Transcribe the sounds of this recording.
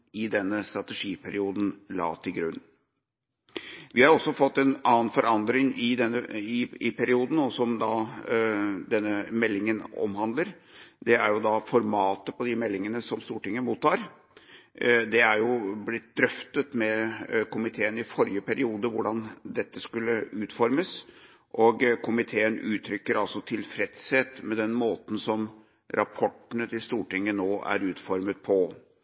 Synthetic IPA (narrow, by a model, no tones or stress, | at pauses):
ɪd̪ɛnːəst̪ɾɑt̪ɛʂiːpʰæɾɪuːd̪n̩lɑ̰ːt̪ʰɪlɡɾʉ̰nː | ʋɪhɑɾɔsːɔfɔt̪ːɛnɑːənfɔɾʔɑnd̪ɾɪŋɪd̪ɛnːəɪɪpʰæɾɪuːd̪n̩ɔsɔmd̪ɑ | d̪ɛnːəmɛlːɪŋənɔ̰mɦɑnd̪ləɾ | d̪ɛæɾjʊd̪ɑfɔɾmɑːt̪əpɔd̪ɪmɛlːɪŋənəsɔmst̪uːʈɪŋːəmuːt̪ːɑːɾ | d̪ɛæɾjʊblɪt̪̚d̪ɾœft̪ət̪mɛkʊmɪt̪ʰeːənɪfɔɾjəpæɾɪuːd̪əʋʊɖɑnd̪ɛt̪ːəskʉlːəʉːt̪fɔɾməs | ʔɔɡkʰʊmɪt̪ʰeːənʉːt̪ʰɾʏkːəɾɑlsɔt̪ʰɪlfɾɛt̪sheːt̪mɛd̪ɛnmoːt̪n̩sɔm | ɾʔɑpʰɔʈːənət̪ʰɪlst̪uːʈɪŋːənoːʔæ̰ɾʉːt̪fɔɾmət̪̚pʰɔ